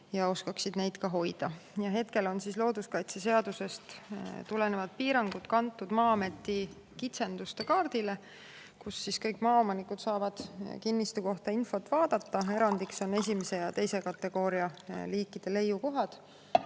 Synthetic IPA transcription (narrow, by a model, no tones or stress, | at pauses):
jɑo̞skɑksid̪̥ne̞jd̪̥kɑɦo̞jd̪̥ɑjɑɦe̞t̪ke̞lo̞nsislo̞ːd̪̥uskɑjt̪sese̞ɑd̪̥use̞st̪t̪ule̞nevɑd̪̥̚piːɾɑŋɡ̥ut̪kɑnt̪ːˑud̪̥mɑːɑme̞t̪ːˑi | kit̪se̞nd̪̥ust̪e̞kɑːrd̪̥ile̞ | kusːiskɤjkːˑmɑːo̞mɑnikːˑut̪sɑːvɑd̪̥kinːist̪uko̞ht̪ɑinfo̞t̪ːˑvɑːd̪̥ɑt̪ːɑe̞ɾɑnd̪ikso̞ne̞sʲimese̞jɑt̪e̞jse̞kɑt̪ːe̞ɡ̥o̞ːɾiɑliːkːˑid̪̥e̞le̞jːuko̞ɦɑd̪̥